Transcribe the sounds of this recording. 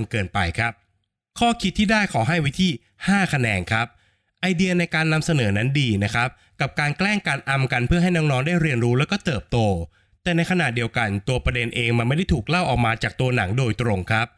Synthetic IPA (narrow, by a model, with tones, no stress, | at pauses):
ŋkɤː˨˧npa˧jkʰa˦˥p̚ | kʰɔː˥˩kʰi˦˥t̪ʰːiː˥˩daː˥˩jkʰɔː˩˦ɦa˥˩jwi˦˥t̪ʰiː˥˩ | haː˥˩kʰa˧nɛː˧nkʰɾa˦˥p̚ | ʔa˧jdi˧ɐna˧jkaː˧nːa˧msa˧nɤː˩˦na˦˥ndiː˧na˦˥kʰɾa˦˥p̚ | ka˨˩p̚kaː˧nklɛː˥˩ŋkaː˧nʔa˧mka˧npʰɯ˥˩ɐɦa˥˩jnɔː˦˥ŋnɔː˦˥ŋdaː˥˩jɾi˧ənɾuː˦˥lɛ˦˥wkɔː˥˩t̪ɤː˨˩p̚t̪oː˧ | t̪ɛː˨˩na˧jkʰa˧naː˨˩t̪̚di˧əwka˧nt̪u˧ɐpɾa˧de˧nʔeː˧ŋma˧nma˥˩jda˥˩jt̪ʰuː˨˩k̚la˥˩wʔɔː˨˩k̚maː˧t͡ɕaː˨˩k̚t̪u˧ɐna˩˦ŋdoː˧jt̪ɾo˧ŋkʰa˦˥p̚